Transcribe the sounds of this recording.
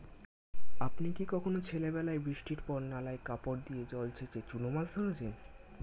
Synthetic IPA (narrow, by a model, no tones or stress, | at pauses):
apnikikɔkʰonot͡ɕʰelebɛlaebɾiʃʈiɾpɔɾnalaekapoɾd̪ijed͡ʑɔlt͡ɕʰet͡ɕet͡ɕunomazd̪ʱonod͡ʑʰen